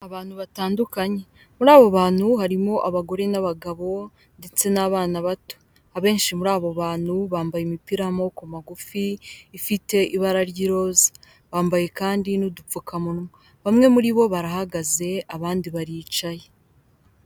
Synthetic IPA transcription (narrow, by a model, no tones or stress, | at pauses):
aβaːnhuβataːndukaɲe̞ | muɾaːβoβaːn̥huhaɾimo̞ʔaβaɡo̞ɾe̞naβaɡaβo̞ | nde̞t͡se̞naβaːnaβato̥ | aβe̞ːnʃimuɾaːβoβaːn̥huβaːmbajemipiɾamo̞kumaɡufiːfite̞ʔiβaɾaɾjiɾo̞ːzḁ | βaːmbaje̞kaːndinudup͡fukamuɾumo | βamŋe̞muɾiβo̞βaɾahaɡaze̞aβaːndiβaɾiːt͡ʃaje